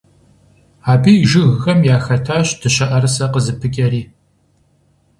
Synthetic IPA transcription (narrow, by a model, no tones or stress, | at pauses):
aːbiːʒɪɣɣɐmjaːxɐtʰaːɕtʰɨɕɐʔɐɾɨsɐqəzɨpʰɨkʲʼɐɾiː